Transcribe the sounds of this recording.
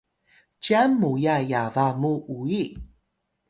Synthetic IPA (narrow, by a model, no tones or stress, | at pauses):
t͡ʃiamːujajavamuʔui